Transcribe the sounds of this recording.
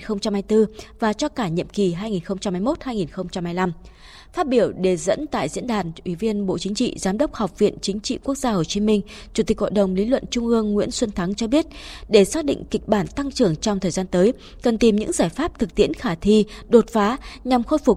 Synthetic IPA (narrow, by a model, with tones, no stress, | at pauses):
nxə˧wŋ͡mt͡ɕa˧mhaː˧jt̪ɨ˧vaː˨˩t͡ɕɔ˧kaː˧˩ɲḭ˧˨əmki˨˩ɦaː˧jŋi˨˩nxə˧wŋ͡mt͡ɕa˧mhaː˧˩jmo˦˥t̚haː˧jŋi˨˩nxə˧wŋ͡mt͡ɕa˧mhaː˧jla˧m | faː˦˥t̚ɓi˧˩əwɗe˨˩zə̰˧˥nt̪a̰ː˧˨jzḭ˧˥ənɗaː˨˩nʔwi˧˩vi˧ənɓo̰˧˨t͡ɕï˨˦ŋ̟t͡ɕḭ˧˨zaː˨˦mɗə˦˥wk͡p̚ha˨˩wk͡p̚vḭ˧˨ənt͡ɕï˨˦ŋ̟t͡ɕḭ˧˨ku˦˥ək̚z̥aː˧ho˨˩t͡ɕi˨˦mï˧ŋ̟ | t͡ɕu˧˩t̪i˨˩k̚ho̰˧˨ɗə˨˩wŋ͡mli˨˦lwə̰˧˨nt͡ɕʊ˧ŋ͡mʔɨ˧əŋːwḭ˧˥ənswə˧nt̪ʰa˨˦ŋt͡ɕɔ˧ɓi˦˥ət̚ɗe˧˩saː˦˥t̚ɗḭ̈˧˨ŋ̟ki˨˩k̟̚ɓaː˧˩nt̪a˧ŋt͡ɕɨ˨˩əŋt͡ɕɔ˧wŋ͡mt̪ʰəː˨˩jzaː˧nt̪əː˨˦j | kə˨˩nt̪i˨˩mɲɨ̰˧˥ŋzaː˧˩jfaː˦˥p̚t̪ʰɨ˨˩k̚t̪ḭ˧˥ənxaː˧˩t̪ʰi˧ɗo˨˩t̚faː˨˦ɲa˨˩mxo˧jfʊ˨˩k͡p̚